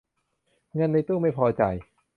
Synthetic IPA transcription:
ŋɤ˧nːa˧jt̪uː˥˩ma˥˩jpʰɔː˧t͡ɕa˨˩j

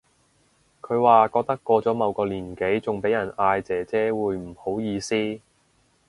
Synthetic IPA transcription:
kʰɵ˨˧ɥwaː˨˧kɔː˧k̚t̪ɐ˥kːɔː˧t͡sɔː˨˥mɐ˨˧wkɔː˧liː˨˩nke˨˥jt͡sʊ˨ŋpe˨˥jɐ˨˩naː˧jt͡sɛː˨˩t͡sɛː˨˥wuː˨˧jm̩˨˩ho˨˥wjiː˧siː˥

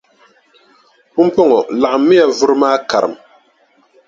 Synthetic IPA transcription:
pʊ˦m˦pɔ˦ŋɔ˨la˨ʔɨ˨mːi˦ja˨vʊ˦ɾɨ˦maː˦ka˨ɾɨ̰˨m

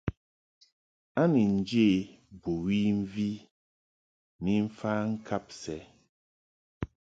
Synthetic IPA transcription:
a˦ni˨n̩˦d͡ʒe˦˨ | bu˨wi˦ɱ̩˦vi˦ | ni˨m̩˦faː˦ŋ̩˦kʰa˦p̚sɛ˨˦

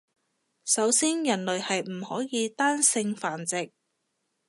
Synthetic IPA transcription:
sɐ˨˥wsiː˥njɐ˨˩nlɵ˨ɥhɐ˨jm̩˨˩hɔː˨˥jiː˨˧t̪aː˥nsɪ˧ŋfaː˨˩nt͡sɪ˨k̚

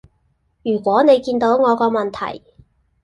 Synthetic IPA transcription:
jyː˨˩kʷwɔː˨˥ne˨˧jkiː˧nt̪o˨˥wŋɔː˨˧kɔː˧mɐ˨˩nt̪ʰɐ̰˨˩j

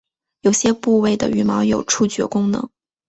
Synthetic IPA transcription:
jo˨˩ʊɕjɛ˥pu˥˧we˥˩ɪd̪ə̰˨y˨˧˩mɑ˧˥ʊjo˨˩ʊʈ͡ʂʰu˥˩t͡ɕɥɛ̰˧˥kʊ˥ŋnɤ̰˧˥ŋ

